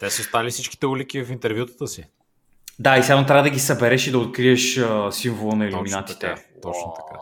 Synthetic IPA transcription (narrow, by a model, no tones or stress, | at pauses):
t̪ɛsəst̪alifsit͡ʃki̥t̪ɛulik̟ivɐfint̪ɛɾvjut̪ə̥t̪əsi | d̪aisanot̪ɾʲavəd̪əɡʲisɐbɛɾɛʃid̪ɐot̪̚kɾiəʃəsiɱvolˠənɐiluminat̪i̥t̪ɛ | ɔt͡ʃo̥ka̰